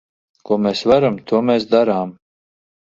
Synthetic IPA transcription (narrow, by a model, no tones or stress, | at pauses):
kuɔmeːsvaɾamt̪uɔmeːsd̪aɾaːm